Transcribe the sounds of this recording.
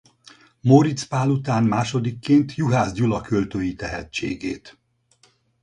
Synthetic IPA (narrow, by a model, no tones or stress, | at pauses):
moɾit̪spaːlut̪aːnmaːʃo̞d̪ikːeːnt̪juɦaːzɟulɒkølt̪øːjit̪ɛɦɛ̰t͡ʃḛːɡḛːt̪